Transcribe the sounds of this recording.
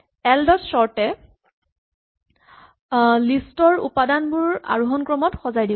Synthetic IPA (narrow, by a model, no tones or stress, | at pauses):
ɛldɔtsɔɹtɛ | listɔɹṵpadanbʊɹa̰ɹuɦɔnkɹɔmɔtxɔzajdib